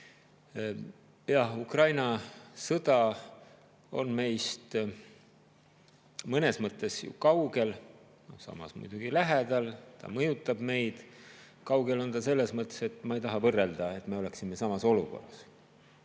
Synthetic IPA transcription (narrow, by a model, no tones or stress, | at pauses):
jɑhukrɑjnɑsɤd̪̥ɑ | o̞̰nme̞jst̪ | mɤne̞smɤt̪ːˑe̞sjṵkɑwɡe̞l | no̞̰hsɑ̰mɑ̰smṵjd̪̥uɡ̥ilæɦed̪ɑlt̪ɑ̰mɤjut̪ːˑɑb̥me̞jd̪̥ | kɑwɡe̞lo̞nt̪ɑse̞lːe̞smɤt̪ːˑese̞t̪ːˑmɑejt̪ɑɦɑvɤrːe̞ld̪ɑe̞t̪me̞o̞leksime̞sɑmɑso̞luko̞̰rːɑs